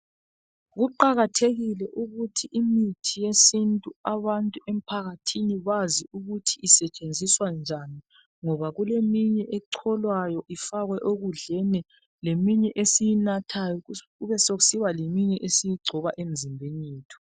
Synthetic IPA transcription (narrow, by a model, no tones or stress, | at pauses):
ɣuǃaɣatʰeɣilɛʔuɣutʰiʔimitʰijesintʼuaβantʼuem̩pʰaɣatʰiniβaziuɣutʰiʔːsɛt͡ʃʼend͡zʱiswand͡ʒʱani | ŋɔβaɣulemiɲɛʔɛǀʰɔlwajɔʔifaɣwɛʔoɣuɮɛnɛ | lemiɲɛʔesijinatʰajɔ | uβɛsoɣusiwalemiɲɛʔesijiɡ͡ǀʱɔβaʔem̩zimbʱeɲiːtʰɔ̥